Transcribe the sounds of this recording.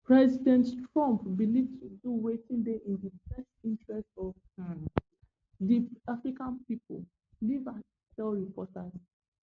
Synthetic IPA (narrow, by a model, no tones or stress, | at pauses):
pɹɛzidɛ̃nttɹɔ̃mpmilitɹituwetĩndɛʔĩndifɛstĩntɹɛstɔṽ | diafɹikãnpipo̰l | liva | tɛlɹipɔtaz